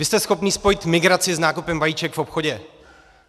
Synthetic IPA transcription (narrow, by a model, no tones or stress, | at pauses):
vɪst̪ɛsxo̞pniːspo̞jɪt̪mɪɡɾat͡sɪznaːkupɛmvajiːt͡ʃɛkfopxo̞ɟɛ